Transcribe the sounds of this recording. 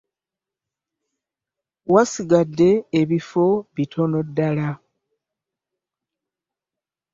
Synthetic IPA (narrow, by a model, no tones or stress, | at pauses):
wasiɡadːe̞ːβifo̞βitʰo̞no̞dːala